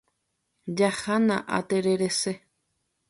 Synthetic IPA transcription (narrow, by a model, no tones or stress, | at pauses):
d͡ʒahanã̰ʔa̰t̪eɾeɾese